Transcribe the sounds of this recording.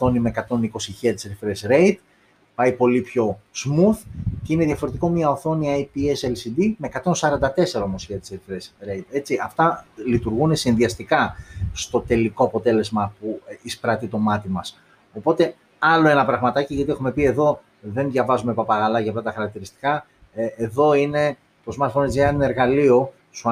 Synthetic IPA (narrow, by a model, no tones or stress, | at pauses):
θo̞nime̞kɐt̪o̞niko̞siçiɐt̪i̥seɾifɾesɾe̞it̪ | pɐjpo̞lipço̞smuθce̞ine̞ðʝɐfo̞ɾet̪iko̞mɐoθo̞niɐjpieselsid̪ime̞kɐt̪o̞nsɐɾɐnd̪ɐt̪e̞se̞ɾoomosçeɐt̪i̥seɾifɾesɾejt̪e̞t͡siʔɐft̪ɐlit̪uɾɣune̞sinðiɐst̪ikɐst̪o̞t̪e̞liko̞ɐpo̞t̪e̞le̞zmɐpuispɾɐt̪it̪o̞mɐt̪imɐs | o̞po̞t̪e̞ | ɐlo̞e̞nɐpɾɐɣmɐt̪ɐciʝɐt̪ie̞xume̞pie̞ðo̞ | ðe̞nðʝɐvɐzumepɐpɐɣɐlɐʝɐft̪ɐt̪ɐxɐɾɐk̚t̪iɾist̪i̥kɐ | eðo̞ine̞ | t̪osmɐsfonezeɐneɾɣɐlio̞ | su